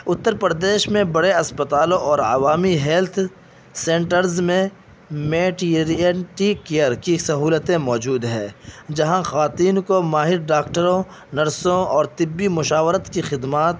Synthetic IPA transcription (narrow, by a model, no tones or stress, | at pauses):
ʊt̪ːəɾpɾd̪eːʃmẽbɐɽeɐspət̪aːlõʔɔːɾɐ̰ʋaːmiɦɛːlt̪ʰ | sẽːɳʈəɾzmẽ | meːʈiɾiəʈikejəɾkisɐɦuːlət̪ẽmɔːd͡ʒuːd̪ɦɛ̰̃ːd͡ʒɐɦãxaːt̪iːnkomaːɦɪɾɖaːkʈəɾõ | nɐɾsõɔːɾt̪ɪbːimʊʃaːʋəɾət̪kixɪd̪maːt̪̚